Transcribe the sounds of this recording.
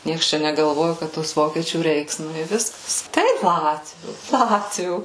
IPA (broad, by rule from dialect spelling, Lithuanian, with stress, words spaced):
ˈnʲiɛks ˈt͡ʃʲɛ nʲɛɡɐlˠˈʋoːjʊ ˈkɐt toːs ˈʋoːkʲiɛt͡ʃʲuː ˈrʲɛɪks nʊ ɪ ˈʋʲɪskɐs ˈtɐɪp ˈlˠɑːtʲʋʲuː ˈlˠɑːtʲʋʲuː